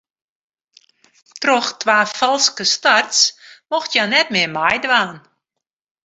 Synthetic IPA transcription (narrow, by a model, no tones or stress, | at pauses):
trɔxtʋaːfɔlˠskəstartsmɔxtjanɛt̚mɪəmajdʋaːn